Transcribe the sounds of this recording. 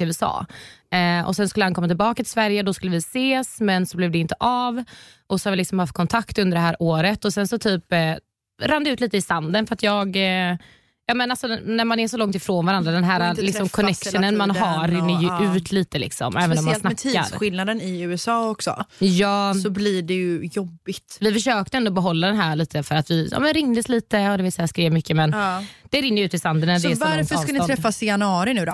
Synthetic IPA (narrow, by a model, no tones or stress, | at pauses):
ɛsɑ̰ːɛʔɔ̰sɛnskɵlːəhankʰɔmat̪ɪlbɑːkat̪ʰɪ̥svæɾjəd̪ɔskɵlːəvɪseːsmɛnsɔblɛvd̪ɛɪnt̪əʔɑv | ʔɔsɔhavɪlɪksɔmhaft̪̚kʰɔnt̪ʰakt̪ɵnd̪əɖɛɦæːɾʔoːɾət̪ɔsɛnsɔt̪ʰyːp | ɾand̪əʉ̟t̪liːt̪əɪsand̪ənfœɾat̪jɑːɡ | jɑːmɛnalsɔnæɾmanæsɔlɔŋt̪ɪfɾoːnvaɾand̪ɾad̪ɛnɦæːɾalɪksɔmkʰɔnɛkʂənənmanɦaɾɪnːəɾjɵʔʉ̟ːt̪ʰliːt̪əlɪ̰ksɔ̰mɛːvənɔmansnakt̪ʰiːa̰ɾsɧɪlnad̪ənɪʉ̟ːɛsɑːɔksɔ̰jɑːsɔbliɖɛjɵjɔbːɪt̪vɪfœʂøːk̚t̪əɛnd̪ʊɔbɛɦɔlːad̪ɛnɦæːɭiːt̪ʰəfœɾat̪vɪjɑ̰ːmɛnɾɪŋd̪əsliːt̪əhad̪ɛvɪːsɛjaskɾeːvmʏkːəmɛnd̪̥ɛɾɪŋːəjʉ̟ːt̪ɪsand̪ənæsdɛvaɾfək̪nɪt̪ʰɾɛfːasɪanɑːɾɪnʉ̟ːd̪ɔ̰